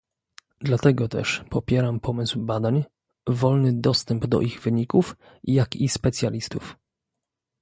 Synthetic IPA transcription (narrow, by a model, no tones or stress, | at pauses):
d̪lat̪ɛɡɔt̪ɛ̰ʂpɔpʲjɛɾampʰɔmɘswbad̪aɲ | vɔlnɘd̪ɔst̪ɛmbd̪ɔ̰ʔiɣvɘɲikuf | jakispɛt̪sʲjalʲist̪uf